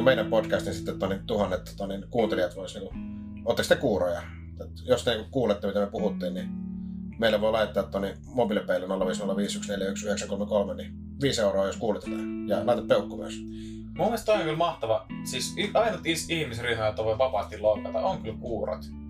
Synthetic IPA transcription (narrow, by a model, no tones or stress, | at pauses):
meˑinæmpotkæst̪insit̪ːet̪ːonit̪uhɑnːet̪ːo̥t̪ɑninkuːnt̪elijɑt̪ʋoˑisniːŋku | ot̪ːɑksit̪ːekuːrojɑ | t̪t̪jost̪eniːkukuːlet̪ːemit̪æmyøpuhut̪ːiːnni | meˑilːæʋoˑilɑˑitt̪ːˑɑt̪t̪ːonin | mobilepeˑlːnolːɑʋiːsnolːɑʋiːsyksneljæyksyheksækolmekolmeni | ʋiːseˑuroˑːjoskuːlet̪ːæt̪æjɑlɑˑit̪eppeˑukːomø̰ˑs | mumːest̪oiokylmɑht̪ɑʋɑsisyɑenːot̪isihmisrihmɑjot̪ːɑʋoˑiʋɑpɑst̪illoːkːˑɑt̪ɑoŋkylkuːro̰t̪